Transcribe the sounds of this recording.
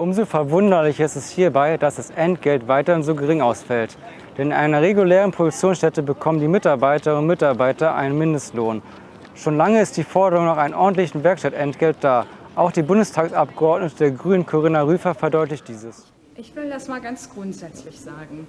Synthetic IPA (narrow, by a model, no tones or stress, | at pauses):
ʔʊmzoːfɛɐvʊndɐlɪçɐɪstɛsthiːɐbaɪd̥asd̥asʔɛntɡ̥ɛltv̥aɪtɐɪnzoːɡəʁɪŋʔaʊsfɛlt | d̥ɛnɪnʔa̰ɪnɐʁeɡuleːʁənpʁ̥odʊk̚t͡sjoːnsʃtɛtəbəkʰɔməndiːmɪtaɐbaɪtɐʊntmɪtaɐbaɪtɐʔa̰ɪnənmɪndəstloːn | ʃoːnlaŋəɪst̚d̥iːfɔɐdəʁʊŋnɔχaɪnənʔɔɐdn̩tlɪçn̩vɛɐkʃtatʔɛntɡ̥ɛlt̚d̥aːʔaʊxd̥iːbʊndəstʰaːksʔapɡ̥əɔɐtnətədeːɐɡʁyːnənkʰoʁɪnaʁyːfɐfɛɐdɔʏtlɪçt̚d̥iːzəs | ʔɪçv̥ɪddasmaːlɡant͡sɡ̥ʁʊntz̥ɛt͡slɪçz̥aːɡŋ̩